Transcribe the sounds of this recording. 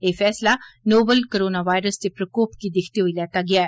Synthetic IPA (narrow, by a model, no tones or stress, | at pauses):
eːfɛːslanoːbəlkəɾoːnaʋaːjɾəst̪epɾəkoːpkid̪ɪkʰt̪eɦoilɛːt̪aɡɪjaːɛː